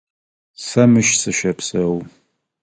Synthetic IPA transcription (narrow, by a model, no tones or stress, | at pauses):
samɨʃsɨʃɐpʰsɐw